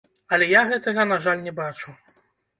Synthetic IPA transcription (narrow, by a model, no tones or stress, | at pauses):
ɐlʲɛjaɣɛt̪ɐɣɐnaʐalʲnʲɛbat͡ʂu